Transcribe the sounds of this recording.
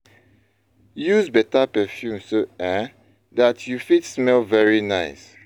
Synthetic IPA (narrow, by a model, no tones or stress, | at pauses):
juzbɛtapɛfjũmsoɛ | datʰjufitsmɛlvɛɹinaɪs